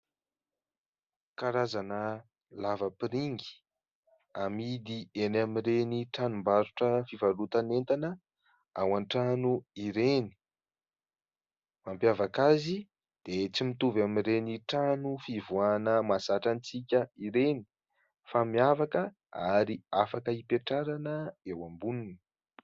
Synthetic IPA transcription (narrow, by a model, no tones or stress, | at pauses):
kaɾazanə | lavəpiɾiŋɡi̥ | amid̪ienamireniʈ͡ʂanumbaɾuʈ͡ʂəfivalut̪anent̪anə | awanʈ͡ʂanuiɾeni̥ | mampjavakazi | d̪̥et͡simit̪uvamiɾeniʈ͡ʂanufivuanəmasaʈ͡ʂant͡sikʲəiɾeni̥ | famiafakə | aɾiafakəipeʈ͡ʂaɾanəewambunini̥